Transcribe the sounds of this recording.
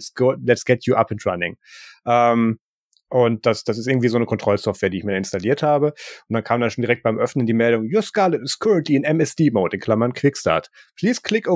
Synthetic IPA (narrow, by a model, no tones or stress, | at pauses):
tsɡ̥ʊlɛtsɡ̥ɛtʰjuʔapɪ̃ntɹanɪ̰̃ŋʔɛːm | ʔʊnt̚d̥asd̥asɪstɪɡŋ̩tv̥iːzoːnəkʰɔntʁ̥ɔlsɔftv̥eːɐdiːɪçmiːɐɪnstaliːɐthaːbəʊnt̚d̥ankʰaːmdanʃoːndiʁɛkt̚b̥aɪmʔœfnəndiːmɛldʊŋjuɐskaːlətɪskʰœɹə̃ntʰliɪnɛmɛsd̥iːmoʊtɪnkʰl̥amɐnkʰv̥ɪksta̰ːɐtpʰl̥iːskʰl̥ɪko